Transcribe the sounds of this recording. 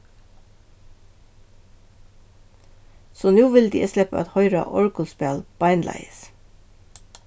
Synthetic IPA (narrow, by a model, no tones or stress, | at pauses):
soːnuːʋɪld̪ḭːɛslɛpə̰ɛ̰t̪hœʏɾɑ̰ʔɔɹkɔlspeːlb̥ɑɪnlæ̰ɪəs